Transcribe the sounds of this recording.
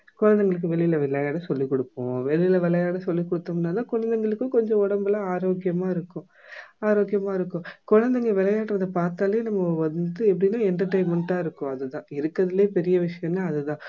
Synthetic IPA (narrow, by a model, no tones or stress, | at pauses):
kʊɻɐnd̪ɐŋɡɐɭɯkːɯʋɛɭːɪjɪlɐʋɪlːɐjaːɽɐsɔlːikːɔɽɯpːʊ̰̃ʋɛɭɪjɪlɐʋɛɭɐjaːɽɐsɔlːikːɔɽɯt̪ːɐmnːaːt̪ãːkʊɻɐnd̪ɐŋɡɐɭɯkːɯkɔɲd͡ʒɔ̃ɔɽɐmbɯlãaːɾoːkːɪjɐmaːɪɾɯkːʊ̃ | aːɾoːkɪjɐmaːɪɾɯkːʊ̃kʊɻɐnd̪ɐŋɡeʋɛɭɐjaːʈːɐʋɐðɐpaːɾt̪aːleːnɐmːɐʋɐnd̪ɯɛpːɐɽɪnːaːɛndrɐʈɐɪmɛɳʈːaːɪɾɯkːʊ̃ɐðɯt̪ãːɪɾɯkːɐðɪleːpɛɾɪjɐʋɪʂɐjɐ̃nːaɐðɯt̪ãː